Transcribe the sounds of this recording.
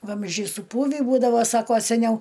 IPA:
ˈʋɐmʲzʲd͡ʒʲɛɪ sʊˈpuːʋʲiː ˈbuːdɐʋoː ˈsɑːkoː sʲɛˈnʲɛʊ

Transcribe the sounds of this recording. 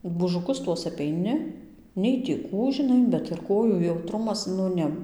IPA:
buːʒʊˈkʊs ˈtuɔs ɐpʲɛɪˈnʲɪ nʲɛɪ tʲiː ˈkuː ʒʲɪˈnɐɪ bʲɛt ɪr ˈkoːjuː jɛʊˈtrʊmɐs nʊ ˈnʲɛ

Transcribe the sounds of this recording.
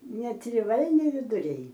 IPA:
nʲɛtʲrʲɪˈʋɐlʲnʲɪ ʋʲɪdʊˈrʲɛɪ

